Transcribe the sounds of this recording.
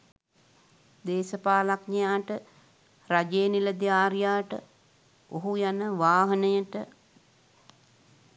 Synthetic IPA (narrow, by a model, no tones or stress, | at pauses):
d̪eːsəpaːlaknejaːʈə | ɾad͡ʒeːniləd̪ijaːɾjaːʈə̰ | oɦujanəʋaːɦənəjəʈə